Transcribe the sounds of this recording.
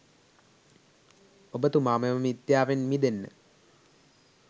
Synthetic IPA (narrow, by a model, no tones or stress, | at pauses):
obət̪umaːmɐmmit̪jaːʋenmid̪enːə̰